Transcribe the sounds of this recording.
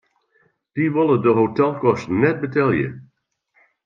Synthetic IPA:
d̥iʋɪlˠədəɦotɛlˠkɔstnɛt̚bətɛlˠjə̰

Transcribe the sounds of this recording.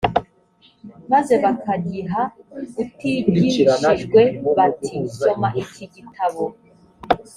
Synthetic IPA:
maze̞βakaɡiɦautiiʃiʒɡwe̞βatʰiso̞maʔiciɡitʰaβo

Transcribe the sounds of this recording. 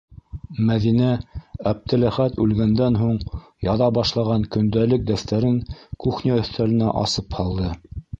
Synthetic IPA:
mæðinææp̚t̪ɘ̆læχæt̪ʉlɡænd̪ænɦuɴ | jɑðɑbɑʃlˠɑʁɑŋkɵ̆nd̪ælɘk̚d̪æst̪æɾɘŋkuχniæɵ̆θt̪ælɘ̆næ̰ʔɑ̰sɤphɑlˠd̪ɤ

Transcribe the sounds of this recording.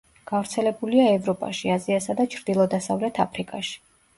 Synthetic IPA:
ɡ̥avɾt̪sʰɛlɛbuliaɛvɾɔpʼa̰ʃiaziasad̪at͡ʃʰɾd̪̥ilˠɔd̪asavlɛt̪ʰapʰɾikʼaʃi̥

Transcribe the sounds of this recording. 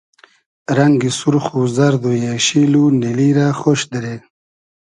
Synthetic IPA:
ɾaŋɡisuɾχuzaɾd̪ojeɕiːluniliɾaχoʃd̪əɾe

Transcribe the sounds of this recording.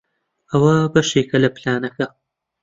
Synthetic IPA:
ɐwɐbɐʃeːkɐlɐplaːnɐkɐ

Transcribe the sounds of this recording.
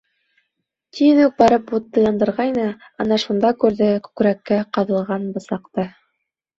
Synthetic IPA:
t̪iðʉk̚bɑɾɤput̪ːɤ̆jɑnd̪ɤ̆ɾʁɑjnɤ | ɑnɑʃund̪ɑkʉɾðɘkʉkɾækːæqɑðɤ̆lˠʁɑnbɤ̆sɑqt̪ɤ

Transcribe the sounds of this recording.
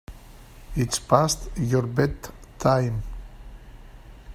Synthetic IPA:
itspastjɔɹbɛdtʰːajm

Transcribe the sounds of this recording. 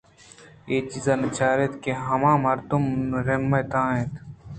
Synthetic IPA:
eːt͡ʃizaːnɐt͡ʃaːɾet̪keɦɐmãːmɐɾd̪umɾemːɐjt̪ãːẽːt̪

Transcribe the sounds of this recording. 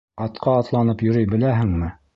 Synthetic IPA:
ɑt̪qʰɑːt̪lˠɑnɤpjɵ̆ɾɵjbɘ̆læɦɘ̆ŋmɘ

